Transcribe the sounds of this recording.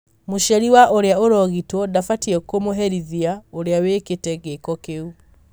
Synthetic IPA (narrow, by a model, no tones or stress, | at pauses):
moʃɛɾiwaʔoɾeaoɾɔɣitwɔdafatiɛkomoɦɛɾiðiaoɾeaweketɛɣekɔkeu